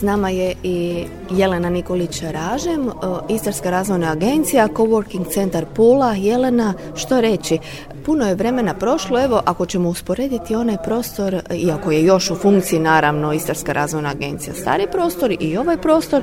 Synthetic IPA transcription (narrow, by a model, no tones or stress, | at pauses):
snamaje̞i | je̞le̞naniko̞lit͡ɕɾaːʒe̞mist̪aɾskaɾaːzʋo̞jnaːɡe̞nt̪sijako̞ʋoɾkiŋɡt̪se̞nt̪aɾpuːlaje̞le̞na | ʃt̪oɾe̞t͡ɕi | puno̞je̞ʋɾe̞me̞napɾo̞ʃloe̞ʋo̞ʔako̞t͡ɕe̞mouspo̞ɾe̞ːd̪it̪io̞najpɾo̞st̪o̞ɾiako̞je̞jo̞ʃufuŋkt̪sijinaːɾaʋno̞ist̪aɾskaɾʔa̰ːzʋojnaːɡe̞nt̪sija̰st̪a̰ːɾipɾo̞ːst̪o̞ɾio̞ʋajpɾo̞ːst̪o̞ɾ